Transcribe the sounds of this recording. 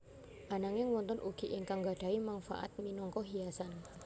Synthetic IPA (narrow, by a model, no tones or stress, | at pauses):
ʔanaŋɪŋwɔnt̪ɔnʔuɡ̥iʔɪŋkaŋɡad̥aimanfa̰ʔa̰t̪̚minɔŋkɔɦiasan